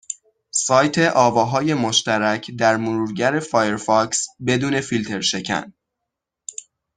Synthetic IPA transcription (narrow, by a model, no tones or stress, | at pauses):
sɒːjt̪ʰe̞ʔɒːvɒːɦɒːje̞moʃt̪æɾæcʰd̪æɾmoɾuːɾɟæɾe̞fɒːjeɾfɒksbe̞d̪uːne̞filt̪ʰe̞ɾʃe̞cʰæ̰n